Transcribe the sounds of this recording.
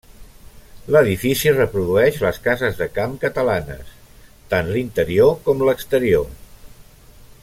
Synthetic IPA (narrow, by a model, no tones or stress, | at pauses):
ləðifisirəpɾuðuɛʃləskazəzðəkamkət̪əlanə̰s | t̪anlint̪əɾiokɔmləkst̪əɾio